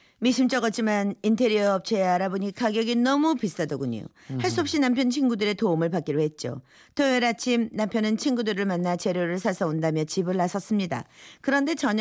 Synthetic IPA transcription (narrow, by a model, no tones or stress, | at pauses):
miɕʰimt͡ɕ͈ʌɡʌt͡ɕ͈imanintʰe̞ɾiʌʌp̚t͡ɕʰeaɾaboɲikaɡjʌɡinʌmupiss͈adoɡuɲ̰o̰ | haɭs͈uɦʌp̚ɕ͈inampʰjʌnt͡ɕʰinɡudɯɾe̞tomɯɭpak͈iɾoɦe̞t̚t͡ɕ͈o̰ | teeɾat͡ɕʰimnampʰjʌnɯnt͡ɕʰinɡudɯɾɯɭmanːat͡ɕeɾjoɾɯɭsʰasʰʌondamjʌt͡ɕibɯɭːasʰʌs͈ɯmɲida̰kɯɾʌnde̞t͡ɕʌɲ